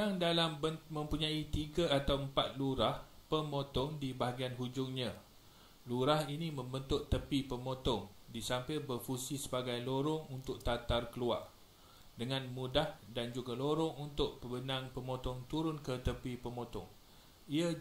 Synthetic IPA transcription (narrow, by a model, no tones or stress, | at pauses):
aŋdalambəmə̃mpuɲãit̪iɡaat̪awəmpat̪̚luɾahpəmõt̪ɔŋdibaɦaɡianɦud͡ʒʊŋɲã | luɾahinĩmə̃mbənt̪ʊt̪ːəpipəmõt̪ɔŋ | disampabərfusisəbaɡajloɾɔŋunt̪ʊk̚t̪at̪arkəlua̰r | dəŋãnmũdahdand͡ʒuɡaloɾɔŋunt̪ʊʔ̚pəbənãŋpəmõt̪ɔŋt̪uɾʊnkət̪əpipəmõt̪ɔ̰ŋ | ia